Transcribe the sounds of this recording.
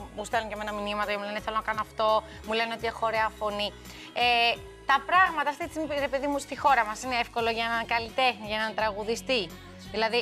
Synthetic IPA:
must̪elunʝeme̞nɐminimɐt̪ɐcemulenθelo̞nɐkɐnoɐft̪o̞ | mule̞neo̞t̪ie̞xo̞ɾe̞ɐfo̞ni | e | t̪ɐpɾɐɣmɐt̪ɐft̪isinɾepe̞ðimust̪ixo̞ɾɐmɐsineefko̞lo̞ʝɐnɐkɐlit̪e̞xniʝɐnɐt̪ɾɐɣuðist̪i | ðilɐði

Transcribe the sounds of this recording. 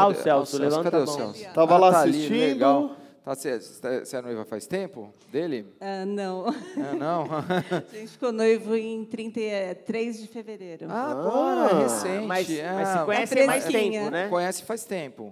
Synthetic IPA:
aʊsɛwsʊlevɐ̃t̪eɐswɛ̰wst̪avɐllaaasilsit͡ʃĩleɡ̪aʊwt̪asɛɛsɪɐnojvɐfa̰jst̪ẽpʊ̰ | d̪elɪanɐ̃w̃ɛnɐ̃w̃ʒẽnt͡ʃɪ̥fɪ̥konojvʊẽj̃t̪ɾĩt̪ɐt̪ɾezd͡ʒɪfeveɾejɾʊabõɛesẽmajsɪɛmajsːɪkõɲɛsmajsẽɲɐʊnɛkõɲɛsɪ̥fajst̪ẽpʊ

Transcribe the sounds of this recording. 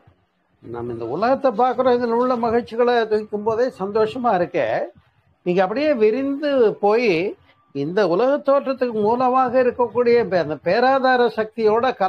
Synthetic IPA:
na̰mːɐɪ̰nd̪ɐ̰ʊlɐɣɐt̪ːɐpːaːɾkɯɾõːɪðɐnʊɭːɐmɐɣɪɻt͡ʃːɪɣɐɭɐt̪ʊɣɪkːɯmpoːðeːsɐnd̪oːʂɐmaːɪɾɯkːḛ̃ː | niːŋɡɐpːɐɽɪjeːʋɪɾɪnd̪ɯpoːji | ɪnd̪ɐʊlɐɣɐt̪ːoːʈrɐt̪ːɯkːɯmuːlɐmaːɣɐɪɾɯkːɐkːuːɽɪjɐɐnd̪ɐpeːɾaːðaːɾɐsɐk̚t̪ɪjoːɽɐkɐ

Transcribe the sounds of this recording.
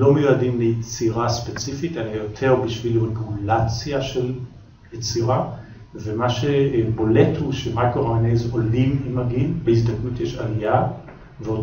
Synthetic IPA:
lo̞mejuadimlejet͡siʁaspet͡sifitaniajotʰe̞ʁbiʃviluankumulat͡sjaʃe̞l | jet͡siʁa | vemaʃebo̞le̞thuʃemakoʁaanezolimimaɡinbehizdɐknutjeʃalija | veo

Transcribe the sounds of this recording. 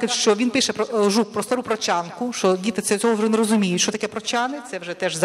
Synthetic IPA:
kʲɪʃt͡ʃɔʋʲinpɪʃɛpɾɔʒuk̚pɾɔst̪aɾupɾɔt͡ʃʲɑnkʊʃt͡ʃɔdʲit̪ɪt̪ɛd̪t͡sʲɔɦɔʋʒɛnɛɾɔzʊmʲijʊtʲʃt͡ʃɔt̪ɐkɛpɾɔt͡ʃɑnɪt̪sɛʋʒɛt̪ɛʒz

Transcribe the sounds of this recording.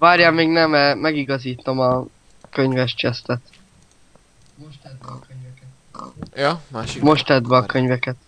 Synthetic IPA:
vaːɾjamːeːɡnɛmɛːɛɡiɡɒziːt̪o̞mɒ | køɲvɛʃt͡ʃɛst̪ɛt̪ | moʃt̪ɛd̪vɛːkøɲvɛkɛt̪jaʃmo̞ʃt̪ɛd̪vɛɒkøɲvɛkɛt̪

